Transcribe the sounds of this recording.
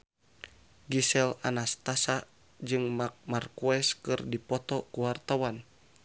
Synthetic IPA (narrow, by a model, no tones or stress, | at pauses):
ɡisɛlanast̪asaʔ | d͡ʒɨŋmak̚markuɛskɨrdipɔt̪ɔkuwart̪awan